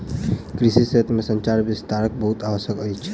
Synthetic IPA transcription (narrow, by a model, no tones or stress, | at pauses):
kɾiʃisəɦət̪mesə̃ɲt͡ʃaɾbɪst̪aɾək̚bəɦut̪aʋəʃjəkəit͡ʃʰ